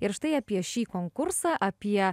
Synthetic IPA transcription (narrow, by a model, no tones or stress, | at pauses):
ɪɾʃt̪ɐɪɐpʲiɛʃʲiːkoŋkʊɾsɑːʔɐpʲiɛ